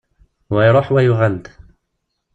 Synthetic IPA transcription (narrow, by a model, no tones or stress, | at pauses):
wajɾˤɑħwajʊɣald̪